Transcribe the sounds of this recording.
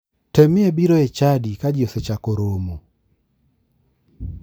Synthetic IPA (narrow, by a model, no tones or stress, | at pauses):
temɪebiɾoet͡ʃadikad͡ʒjoset͡ʃakoɾomo